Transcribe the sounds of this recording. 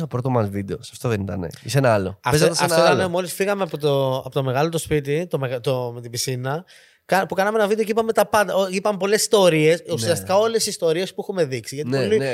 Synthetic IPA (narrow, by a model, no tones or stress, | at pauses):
t̪opɾo̞t̪omɐzvid̪eosɐ̥ft̪o̞ðenit̪ɐ̰nḛisenɐɐlo̰ɐfeɐt̪ɐsɐfnlɐnemo̞lisfiɣɐmeɐpot̪oɐpot̪o̞me̞ɣɐlot̪o̞spit̪̬it̪o̞meɣt̪omet̪ibisinɐ | kɐpukɐnɐmeenɐvid̪eo̞ceipɐmet̪ɐpɐnd̪ɐoipɐmepo̞le̞si̥st̪o̞ɾie̞susiɐst̪ikɐo̞le̞sist̪o̞ɾie̞spuɛxume̞ðiksiʝɐt̪ioli